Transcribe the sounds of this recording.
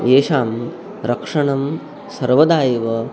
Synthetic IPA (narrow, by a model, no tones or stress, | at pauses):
eːʂaːm | ɾɐkʂɐɳɐm | sɐɾʋɐd̪aːjɐʋɐ